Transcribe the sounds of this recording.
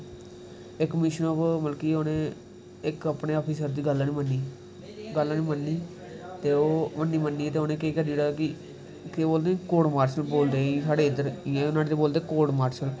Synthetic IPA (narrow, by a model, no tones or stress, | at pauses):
ɪkmɪʃənopməlkiːoːnẽː | ɪkəpɳeːɔːpʰiːsəɾd̪iːɡəlaːnĩːmənːiː | ɡəlːaːniːmənːiː | t̪eːoːmənːiːmənːiːɛːt̪eːoːnẽːkeːkəɾiːɽaːkɪ | keboːld̪eːkoːɽmaːɾsəlboːld̪eːiːsaːɽeːɪd̪əɾiːẽːonaːɽet̪eːboːld̪eːkoːɖmaːɾʃəl